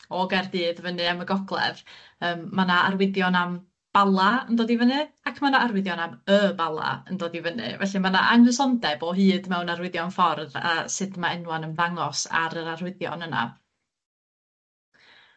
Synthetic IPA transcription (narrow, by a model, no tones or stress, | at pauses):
ɔɡɛrdɨːðvənɨaməɡɔɡlˠɛ̰v | əːmːanaarwɪðjɔnam | b̥alˠaəndoːdivənɨakʰmanaʔarwɪðjɔnaməbalˠa̰əndoːdivənɨ̰vɛɬɨmana̰ʔaŋəsɔndɛbɔɦɨːdmɛwnarwɪðjɔnfɔrða̰sɨdmaɛnwanəmðaŋɔsa̰ɾəɾarwɪðjɔ̰nəna̰